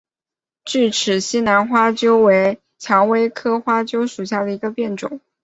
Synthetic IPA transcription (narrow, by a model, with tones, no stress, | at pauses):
t͡ɕy˥˩ʈ͡ʂʰɻ̩˨˩ɕi˥na˧˥nxwa˥t͡ɕjo˥ʊwe˧˥ɪ | t͡ɕʰjɑ˧˥ŋwe˥ɪkʰɤ˥xwa˥t͡ɕjo˥ʊʂu˨˩ɕja˥˩d̪ə˩i˧˥ɡə˧pjɛ˥˩nʈ͡ʂʊ̰˨˩˦ŋ